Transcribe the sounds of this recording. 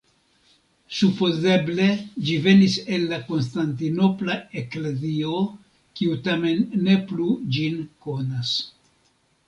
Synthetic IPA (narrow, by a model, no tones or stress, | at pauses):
supo̞ze̞ble̞d͡ʒive̞nise̞nːako̞ns̬tant̬ino̞plae̞kle̞zio̞ | kiutame̞nːe̞plud͡ʒinko̞nas